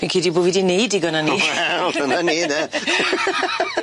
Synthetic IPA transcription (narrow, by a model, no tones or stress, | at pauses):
pinkʰiːdiboːdvidinejdiɡɔnaniɛlˠɔnaniːðɛ